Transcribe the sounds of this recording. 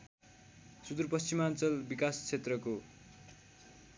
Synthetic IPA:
sud̪urpʌst͡simant͡sʌlbikast͡sʰet̪rʌko

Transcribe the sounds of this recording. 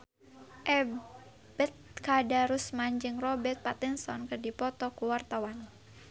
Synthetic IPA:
ʔɛ | bɛt̪̚kadaɾusmand͡ʒɨŋrɔbɛt̪̚pat̪insɔnkɨrdipɔt̪ɔkuwart̪awan

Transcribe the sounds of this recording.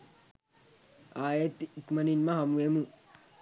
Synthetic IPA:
aːjet̪ːiikmɐninmaɦɐmuemu

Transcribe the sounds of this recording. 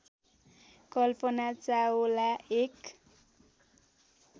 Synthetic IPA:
kʌlpʌnat͡saolaek

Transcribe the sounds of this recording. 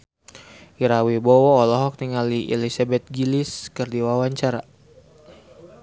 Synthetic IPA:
iɾawibɔwɔːlɔɦɔk̚niŋaliɛ̰lisabɛt̪̚ɡiliskɨrdiwawaɲt͡ʃaɾa

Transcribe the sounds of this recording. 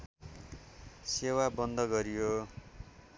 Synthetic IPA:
sewabʌnd̪ʱʌɡʌɾijo

